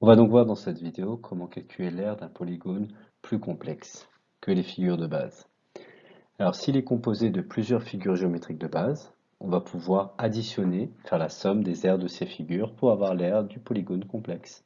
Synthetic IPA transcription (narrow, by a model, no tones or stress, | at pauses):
ɔ̃vad̪ɔ̃kvwaʁd̪ɑ̃sɛt̪vid̪eokʰɔmɑ̃kalkʲʰyɛlɛʁd̪ɛ̃pɔliɡon | plykɔ̃plɛks | kəlefiɡʲyʁd̪əba̰z | alɔʁsiːlɛkɔ̃pozed̪əplyzjœʁfiɡʲyʁʒeomet̪χik̚d̪əbaz | ɔ̃vapʰuvwaʁad̪isjɔnefɛʁlasɔmd̪ezɛʁd̪əsefiɡʲyʁpuʁavwaʁlɛʁd̪ypɔliɡonkɔ̃plɛks